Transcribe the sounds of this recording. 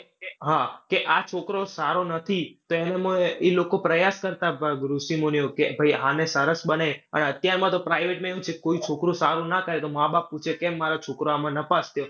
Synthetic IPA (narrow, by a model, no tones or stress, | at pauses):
eɦakeʔat͡ʃʰokɾosaɾonət̪ʰit̪oenemə̃ilokopɾəjaskəɾt̪abɡɾusimonijokebʱəiɦãnesəɾəsbəneə̰nət̪jaɾmãt̪opɾajʋeʈmãeũt͡ʃʰekekoit͡ʃʰokɾũsaɾũnakəɾet̪omãbap̚ːut͡ʃʰekemːaɾot͡ʃʰokɾoamãnəpast̪jo